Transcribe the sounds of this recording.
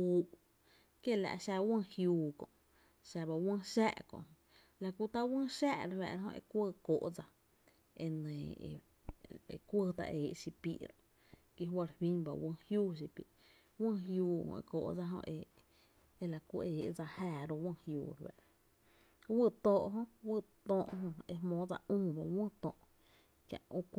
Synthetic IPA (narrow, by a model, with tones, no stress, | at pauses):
u˦ | kje˦˨la̰˧ʔʃa˧wə̃˦˧hjuː˧kõ̰˨ʔ | ʃa˧ba˧wə̃˦ʃa˦ʔkõ̰˧ʔ | la˧kʷu˧t̪a˦wə̃˦ʃa˦˧ʔɾwɛ̰˧˨ɾɦõ̰˧ḛ˧kʷəː˦˧koː˨ʔd͡za˧ | e˧nẽ˨ḛ˨ | e˧kʷə˦˧t̪a̰˧ʔeː˨ʔʃi˧pḭ˧ʔɾõ˨ | ki˧ɦwa˧ɾhwĩ˦ba̰˨wʔə̃˧hjuː˦ʃ̬i˧pi˨ | wə̃˦ɦjuː˧hõ̰˧ḛ˧ko̰ː˧˨ʔd͡za˧ɦõ̰˧ʔe˧ | e˧la˨ku˧ʔeː˨ʔd͡za˧hæː˧˨ɾo˧wə̃˦˧hjṵː˧˨ɾwɛ̰˧˨ʔɾ | wə˦˨t̪õː˧ʔɦõ˦ʔwɨ˧t̪õː˧ʔɦõ˧e˧hmõː˨˦d͡za˧ʔũː˦ba˧wə̃˦t̪õː˧ʔ | kjã̰˧˨ʔo˧k